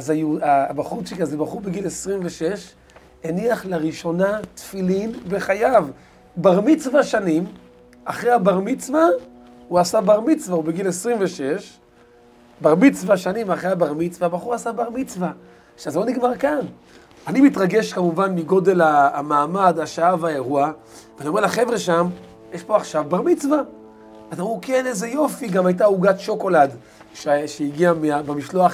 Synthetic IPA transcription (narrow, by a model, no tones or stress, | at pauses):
azajuabaχuʃikazebaχuʁbeɡilesʁimveʃe̞ʃ | eniaχlaʁiʃo̞nat̪filinbeχajav | baʁmit͡svaʃanim | aχʁehabaʁmit͡sva | uasabaʁmit͡svaubeɡilesʁimveʃe̞ʃ | baʁmit͡svaʃanimaχʁeabaʁmit͡svabaχuʁasabaʁmit͡sva | ʃazelo̞niɡmaʁkan | animitʁaɡe̞ʃkamuvanmiɡo̞de̞laːmaːmadaʃaavaeʁua | veaniomelaχevʁeʃam | jeʃpo̞aχʃavbaʁmit͡sva | azamukeneze̞jo̞fiɡamajt̬auɡat̪ʃo̞ko̞lad | ʃʃeiɡiameabemiʃlo̞aχ